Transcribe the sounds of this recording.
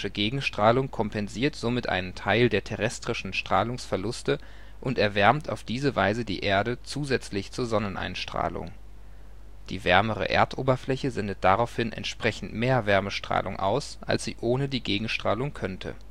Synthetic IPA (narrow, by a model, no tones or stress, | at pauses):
ʃəɡeːɡŋ̩ʃtʁ̥aːlʊŋkʰɔmpɛnziːɐtz̥omɪtʔa̰ɪnəntʰaɪldeːɐtʰɛʁɛstʁ̥ɪʃn̩ʃtʁ̥aːlʊŋsfɛɐlʊstə | ʔʊntɛɐvɛɐmtʰa̰ʊfd̥iːzəvaɪzədḭːʔeːɐdət͡suːzɛt͡slɪçt͡suːɐzɔnənʔa̰ɪnʃtʁ̥a̰ːlʊ̰ŋ | d̥ḭːvɛɐməʁə̰ʔḛːɐtʔoːbɐflɛçəzɛndət̚d̥aʁaʊfhɪnʔɛ̰ntʃpʁ̥ɛçn̩tmeːɐvɛɐməʃtʁ̥a̰ːlʔʊŋʔa̰ʊsʔa̰lsz̥ḭːʔoːnədiːɡeːɡŋ̩ʃtʁ̥a̰ːlʊŋkʰœntʰə̰